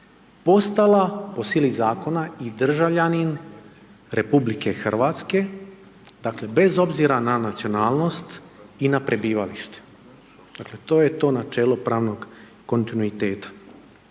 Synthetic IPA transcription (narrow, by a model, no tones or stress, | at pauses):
po̞st̪alapo̞silizaːko̞naid̪r̩ʒaʋʎanin | ɾʔe̞publike̞xr̩ʋat̪ske̞ | d̪akle̞be̞zo̞bziɾananat̪sio̞naːlno̞st̪ | inapɾe̞biːʋaliʃt̪e̥ | d̪̥akle̞t̪o̞ːjet̪o̞ːnat͡ʃe̞ːlopɾaːʋno̞ɡː | o̞nt̪inuit̪e̞ːt̪ḁ